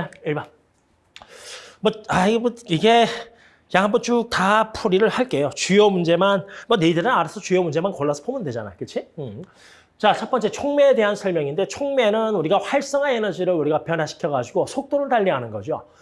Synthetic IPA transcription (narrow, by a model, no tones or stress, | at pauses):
aiɭban | mʌaimiɡe̞ | jaŋɦambʌnt͡ɕutapʰuɾiɾɯɭhaɭk͈e̞jot͡ɕujʌmund͡ʑe̞manmʌneidɯɾɯnaɾesʰʌt͡ɕujʌmund͡ʑe̞mankoɭːasʰʌ̥p͈omɯndwe̞d͡ʑana̰jokɯt͡ɕʰiɯ | t͡ɕat͡ɕʰʌp͈ʌnt͡ɕ͈e̞t͡ɕʰoŋmeːde̞ɦansʰʌɭmjʌŋinde̞t͡ɕʰoŋme̞nɯnuɾiɡaɸwaɭs͈ʌŋɦanenʌd͡ʑiɾɯɭuɾiɡapjʌnɦaɕʰi̥kʰjʌɡad͡ʑuɡosʰok̚t͈oɾɯɭtaʎːiɦanɯnɡʌd͡ʑio̰